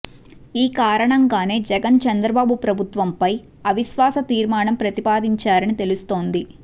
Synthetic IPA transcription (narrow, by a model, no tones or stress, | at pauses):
iːkaːɾɐɳɐŋɡaːne̞ːd͡ʒɛɡɐnt͡ʃɐnd̪ɾɐbaːbupɾɐbʱut̪ʋɐmpɐj | ɐʋiʃʋaːsɐt̪iːɾmaːɳɐmpɾɐt̪ipaːd̪iɲt͡ʃaːɾɐnit̪e̞lust̪o̞ːnd̪i